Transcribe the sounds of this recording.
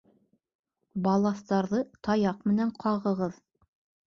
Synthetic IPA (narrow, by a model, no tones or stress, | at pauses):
bɑlˠɑθt̪ɑɾðɤt̪ɑjɑqmɘ̆næɴqʰɑʁɤ̆ʁɤð